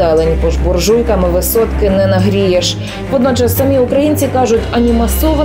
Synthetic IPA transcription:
ɛlˠenʲpɔʒbɔrʒujkɐmɪʋɪsɔt̪kɪnɛnɐɦɾʲijeʃ | ʋɔd̪nɔt͡ʃɐsːɐmʲiʊkɾɐjinʲt͡sʲikɑʒʊtʲɐnʲimɐsɔʋɐ

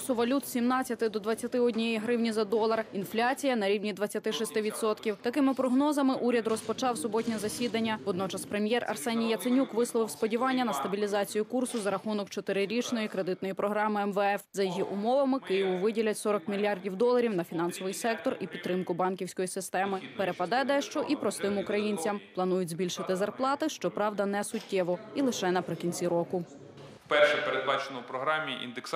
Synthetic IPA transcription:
sʊʋɐlʲut̪sʲimnɑt͡sʲːɐt̪ɪd̪ɔd̪ʋɐt͡sʲːɐt̪ɪɔdʲnʲijɛjiɦɾɪwnʲizɐd̪ɔlˠɐrinflʲat͡sʲijɐnɐɾʲiwnʲid̪ʋɐt͡sʲːɐt̪ɪʃisʲt̪ɪʋʲid̪sɔt̪kʲiwt̪ɐkɪmɪpɾɔɦnɔzɐmɪʔuɾʲɐd̪rɔspɔt͡ʃɑwsɔbɔtʲnʲɛzɐsʲid̪ɐnʲːɐʋɔd̪nɔt͡ʃɐspɾemʲjɛrɐ̰rsɛnʲijːɐt̪sɪnʲukʋɪslˠɔʋɪwspɔdʲiʋɑnʲːɐnɐst̪ɐbʲilʲizɑt͡sʲijʊkursʊzɐɾɐxunɔkt͡ʃɔt̪ɪɾɪɾʲit͡ʃnɔjikɾed̪ɪt̪nɔjipɾɔɦɾɑmɪɛmʋɛɛfzɐjiɦiʔʊmɔʋɐmɪkɪjiʋʊʋɪdʲilʲɐtʲsɔɾɔkmʲilʲjɑrdʲiwd̪ɔlˠɐɾʲiwnɐfʲin̪ɑnsɔʋɪjsɛk̚t̪ɔripʲid̪t̪̚t̪ːɾɪmkʊbɑnkʲiwsʲkɔjisɪst̪ɛmɪpeɾepɐd̪ɛd̪ɛʃt͡ʃɔʔipɾɔst̪ɪmʊkɾɐjinʲt͡sʲɐmplˠɐnujʊzʲbʲilʲʃɪt̪ɪzɐrplˠɑt̪ɪʃt͡ʃɔpɾɑʋd̪ɐnɛsʊtʲːɛʋɔilˠɪʃɛnɐpɾɪkʲinʲt͡sʲiɾɔkʊ | pɛrʃɛpeɾed̪bɑt͡ʃenɔwʊpɾɔɦɾɑmʲiʔḭnd̪eks

